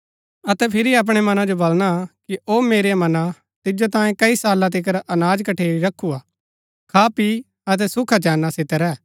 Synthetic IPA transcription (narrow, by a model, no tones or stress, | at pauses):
ɐt̪ɛpʰɪɾiɐp̬ɽ̃emɐnãd͡ʒobɐlñakiʔoːmeːɾemɐnã | t̪ɪd͡ʒot̪ãːẽkɐisaːlãt̪̬ɪk̬əɾʔɐnaːd͡ʒkɐʈʰeːɾiɾɐkʰːuaː | kʰaːpi | ɐt̪̬ɛsʊkʰat͡ʃɛːnːasɪt̪əɾɛː